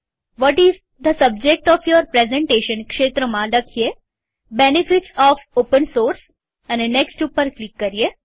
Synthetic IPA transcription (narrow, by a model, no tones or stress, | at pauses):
ʋɔʈiz | d̪əsəb̚d͡ʒek̚ʈɔfjɔɾpɾezɛ̃ɳʈeʃə̃nkʃet̪ɾəmãləkʰije | benifiʈsɔfopə̃nsoːɾs | ɛneneksʈupəɾklikːəɾie